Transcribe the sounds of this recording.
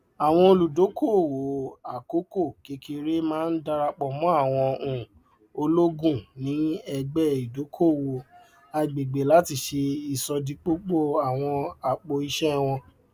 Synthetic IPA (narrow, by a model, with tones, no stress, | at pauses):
a˨w̃ɔ̃˧o˧lu˨do˨˦ko˦˨wo˨a˨ko˦ko˦˨ke˧˦ki˧ɾe˦mãː˦n̩˦da˧ɾa˧k͡pɔ˨mɔ̃˨˦a˦˨w̃ɔ̃˧ũ˨ | o˧lo˦ɡũ˦˨nĩ˨˦ɛ˧ɡ͡bɛ˦i˨do˨˦kʰo˦˨wo˨ | a˧˨ɡ͡be˨ɡ͡be˨la˨˦ti˧˨ʃe˧i˨sɔ˧dĩ˨˦k͡po˦k͡po˦˨a˨w̃ɔ̃˧a˨k͡po˧i˧ʃɛ˦w̃ɔ̃˧